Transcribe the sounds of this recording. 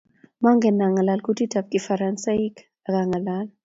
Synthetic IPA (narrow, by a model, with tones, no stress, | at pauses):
ma˦ŋɡɛ˨na˨ŋa˨la˨lku˦ti˦ta˨p̚ki˨fa˨ɾansa˦i˦k | a˨ka˨ŋa˨la˦l